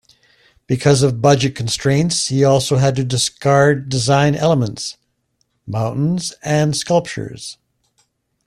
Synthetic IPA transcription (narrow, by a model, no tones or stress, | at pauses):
b̥ɨkʰʌzʌvbʌd͡ʒɨt̚kʰn̩stɹ̥ẽɪ̃ntshiɔlˠsoʊɨd̚tɨdɨskɑɹdɨzãɪ̃nɛ̰lˠəmə̃nts | mãʊ̃nʔn̩zɨ̃nskʌlˠp̚t͡ʃə̰˞z̥